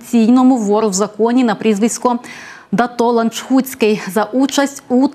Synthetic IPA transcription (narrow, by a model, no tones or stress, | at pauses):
t͡sʲijnɔmʊʋɔɾʊwzɐkɔnʲinɐpɾʲizʋɪsʲkɔ | d̪ɐt̪ɔlˠɐnt͡ʃhut͡sʲkɪjzɐʔut͡ʃɐsʲtʲu